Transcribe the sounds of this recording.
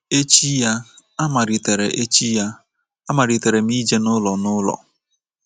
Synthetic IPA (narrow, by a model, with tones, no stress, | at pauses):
e˦t͡ʃi˦ja˦a˦ma˨ɾi˨te˨ɾe˨ʔe˦t͡ʃi˦ja˦ | a˦ma˨ɾi˨te˨ɾe˨m̩i˦d͡ʒe˦nʊ˦lɔ˨nʊ˦lɔ̰˨